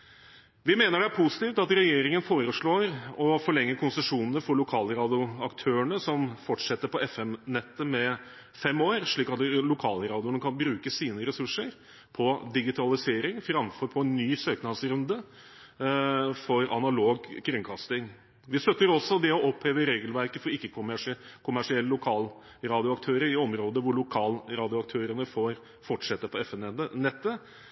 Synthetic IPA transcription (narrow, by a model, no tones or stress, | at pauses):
ʋɪmeːnəɖɛæɾpʰusɪ̥t̪iːft̪ɑt̪ɾɛjeːɾɪŋənfoːɾəʂɭoːɾɔfɔɭɛŋːəkʰʊnsəʂuːnənəfɔɭʊkʰɑːləɾɑːd̪ɪʊɑkt̪ʰøːəɳəsɔmfɔʈʂɛt̪ːəɾpɔɛfɛmnɛt̪ːəmɛ | fɛmoːɾʂɭiːkɑt̪lʊkʰɑːləɾɑːd̪ɪʊnəkʰɑnbɾʉːkəsiːnəɾɛsʉʂːəɾ | pʰɔd̪ɪɡɪt̪ʰɑlɪseːɾɪŋfɾɑmfɔɾpʰɔɛnːyːsøːknɑsɾʉnd̪ə | fɔɾɑ̰nɑloːɡkʰɾʉŋkʰɑst̪ɪŋ | ʋɪst̪œt̪ːəɾɔsːɔd̪ɛɔɔpheːʋəɾeːɡəlʋæɾkəfɔɾɪkːəkʰʊmæʂkʰʊmæʂɪɛlːəlʊkʰɑːl | ɾɑːd̪ɪʊɑkt̪ʰøːɾəɾɪɔmɾoːd̪əʋʊɭʊkʰɑːlɾɑːd̪ɪʊɑk̚t̪ʰøːɾənəfoːɾ | fɔʈʂɛt̪ːəpɔɛfɛnɛənɛt̪ːə